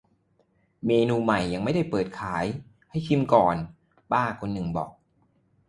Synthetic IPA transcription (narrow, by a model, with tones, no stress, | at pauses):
meː˧nuː˧ma˨˩jːa˧ŋma˥˩jda˥˩jpɤː˨˩t̪̚kʰaː˩˦j | ha˥˩jt̪ʰi˧˥˩mkɔː˨˩n | baː˥˩kʰo˧nːɯ˨˩ŋbɔ̰ː˨˩k̚